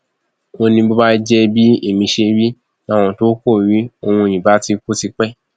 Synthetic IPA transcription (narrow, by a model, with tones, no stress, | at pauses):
o˧nĩ˧bo˦ba˦d͡ʒɛ˦bi˦i˦˨mĩ˧ʃe˧˦bi˦ | nã˦˧w̃ɔ̃˧to˦ko˦˨ɾi˦o˧hũ˧e˧˨j̃ĩ˨ba˨˦ti˧ko˦ti˧k͡pɛ˦˨